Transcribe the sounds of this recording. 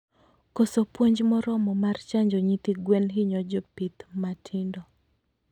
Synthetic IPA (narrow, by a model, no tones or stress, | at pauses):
kosopwoɲd͡ʒmɔɾɔmɔmart͡ʃaɲd͡ʒɔɲit̪iɡwɛnɦiɲɔd͡ʒɔpit̪matʰɪndɔ